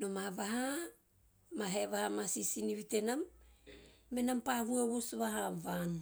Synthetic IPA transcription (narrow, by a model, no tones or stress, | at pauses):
nomaβaɦa | maɦe̞βahamasisiniβite̞namː | e̞nampahuewosβaɦavan